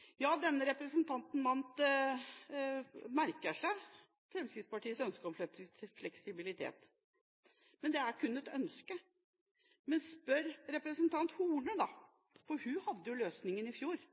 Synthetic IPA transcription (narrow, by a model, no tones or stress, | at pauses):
jɑːd̪ɛnːəɾɛpɾəsənt̪ʰɑnt̪n̩mɑnt̪ | mæɾkəʂæɪ | fɾɛmskɾɪt̪spɑʈʰiːəsœnskɔmfɛflɛksɪbɪlɪt̪ʰḛːt̪ | mɛnd̪ɛæɾkʰʉnːɛt̪œnskə | mɛnspœɾɾɛpɾəsənt̪ʰɑnt̪huːɳəd̪ɑ | fɔɾhʉhɑd̪ːəjʊløːsnɪŋənɪfjuːɾ